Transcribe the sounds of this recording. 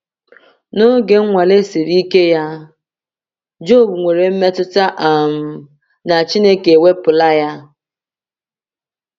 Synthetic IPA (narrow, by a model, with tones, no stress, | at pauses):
no˦ɡe˦ŋʷa˨le˦si˨ɾi˦ke˦ja˦ | d͡ʒo˦˨bu˨ŋʷe˨ɾe˨m̩˦me˦tʊ˦ta˦ʔa˨m̩˨˦ | na˨t͡ʃi˦ne˦ke˨wʷe˦pʊ˨la˦ja˦